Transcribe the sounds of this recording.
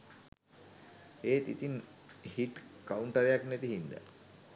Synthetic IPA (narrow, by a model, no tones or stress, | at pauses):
eːt̪ḭt̪in | hiʈkauɳʈəɾejaknet̪iɦind̪ə̰